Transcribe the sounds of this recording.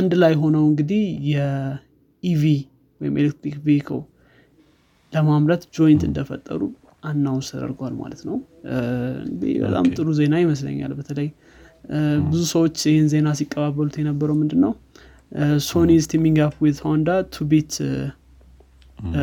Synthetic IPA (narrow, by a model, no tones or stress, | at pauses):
ʔand̪lajɦo̞nəwɨŋɡɨd̪ihjɛ | ivi | wɔjɪ̰mʔelek̚t̪ɾikvekʰo̰w | ləmamlət̪d͡ʒo̞jɪnt̪ɨ̰nd̪əfə̰t̪ʼːə̰ɾu | ʔanːawnsəd̪ə̰ɾɡwalma̰lət̪nəw | ɨ̰ŋɡɨɨd̪ḭbə̰t̪ʼa̰mt̪ʼɨɾuze̞najɪməslə̰ɲːa̰lbət̪ʰələj | bɨzusəwo̞t͡ʃːɨhɪnze̞nasikʼːəβaβːəlut̪jɛnəbːəɾəwmɨnd̪ɨnːəw | so̞nist̪ʰimiŋɡapwɪd̪tʰəwand̪at̪ʰubet̪